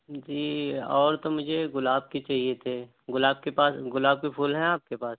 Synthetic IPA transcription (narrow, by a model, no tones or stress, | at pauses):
d͡ʒiːɔːɾt̪omʊd͡ʒʱeɣʊlaːb̚ket͡ʃaːɦiet̪ʰe | ɡʊlaːb̚kepaːsɡʊlaːb̚kepʰuːlɦɛ̃aːp̚kepaːs